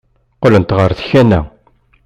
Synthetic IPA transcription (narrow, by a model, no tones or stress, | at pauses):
qələnt̪ʁəɾθçænæ̰